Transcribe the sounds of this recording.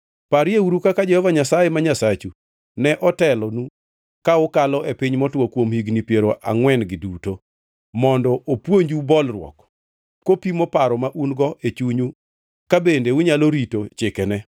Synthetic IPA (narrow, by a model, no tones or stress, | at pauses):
paɾjeuɾukakad͡ʒɛhɔvaɲasajemaɲasat͡ʃu | nɛʔɔtɛlɔnu | kaʊkalɔepɪɲmɔtwokwomhiɡnipjeɾoʔa̰ŋwɛnɡɪduto | mɔndɔʔopwoɲd͡ʒubɔlrwɔ̰k | kopimɔpaɾɔmaʔunɡɔʔet͡ʃuɲu | kabendewʊɲaloɾitot͡ʃɪkɛnɛ